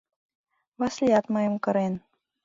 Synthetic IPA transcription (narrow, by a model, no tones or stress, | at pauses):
βɑslʲijɑt̪mɤjɤ̆mkɤ̆ɾen